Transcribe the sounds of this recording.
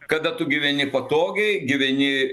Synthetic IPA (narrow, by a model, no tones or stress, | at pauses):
kɐd̪ɐt̪ʊɡʲɪʋʲɛnʲɪpɐt̪oːɡʲɛɪɡʲɪʋʲɛnʲɪ